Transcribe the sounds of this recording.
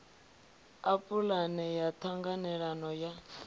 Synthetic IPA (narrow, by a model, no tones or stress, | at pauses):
apulanɛjatʰaŋɡanɛɺanɔja